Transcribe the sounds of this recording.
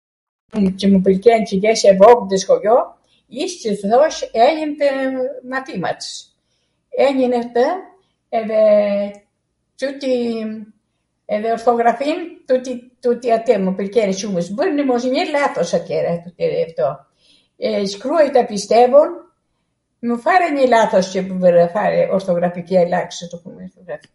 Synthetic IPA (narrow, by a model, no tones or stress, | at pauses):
cəməp̬əlkɛncəɡɛʃɛvɔkd̪ɛskɔjɔ | iʃcəfðɔʃɛɲənt̪ɛmat̪ima̰t̪ə̥ | ɛɲənɛt̪ə | ɛðɛ | t͡ʃut̪i | ɛðɛɔɾt̪ɔɡɾafint̪ut̪it̪ut̪iat̪ɛməpəɾkɛniʃuməsbəɾnəmɔs̬ɲəlaθɔsat̪jɛɾat̪ut̪ɛɾɛft̪ɔ | ɛʃkɾuajt̪apist̪ɛvɔn | məfaɾɛɲəlaθɔscəpvəɾəfaɾɛʔɔɾt̪ɔɡɾafikialaksət̪ɔkumɔɾt̪ɔɡɾafi̥